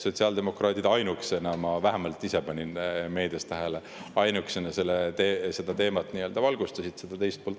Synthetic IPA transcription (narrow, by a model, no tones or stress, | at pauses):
so̞t̪ʲsiɑld̪e̞mo̞krɑːd̪id̪ɑjnuksenɑmɑvæɦemɑlt̪ːˑise̞pɑnʲinme̞ːd̪̥est̪æɦele | ɑjnuksenɑselːet̪ese̞d̪̥ɑt̪e̞ːmɑt̪ːniø̞ld̪ɑvɑlɡ̥ust̪ɑsit̪se̞d̪ɑt̪e̞jst̪̚poːlt̪ˑ